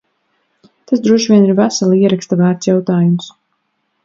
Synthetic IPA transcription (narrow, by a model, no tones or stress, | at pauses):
t̪asd̪ɾuɔʃvʲiɛniɾvæsalˠiɛɾakst̪avæːɾt̪sʲjawt̪aːjums